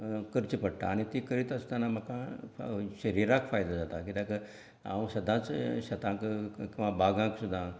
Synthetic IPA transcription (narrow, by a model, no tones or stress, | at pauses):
kəɾt͡ɕipəɽ̚t̪a̰ːɽ̃it̪ikəɾit̪asu̥d̪ʱanaməkã | ɕəɾiɾãkfajd̪ad͡zat̪akit̪ãkə | ã̰sɐd̪ʱãt͡sɕɐt̪ãkkĩʋãbaɡãksud̪ʱːã